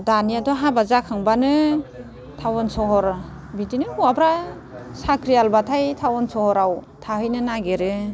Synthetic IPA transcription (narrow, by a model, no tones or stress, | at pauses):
daniadɔɦabazakʰaŋbanɯ | tʰawɔnsɔɦɔɾ | bidinɯuabɾa | sakʰɾijalbatʰajtʰawɔnsɔhɔɾaw | tʰaɦɯjnɯnaɡeɾɯ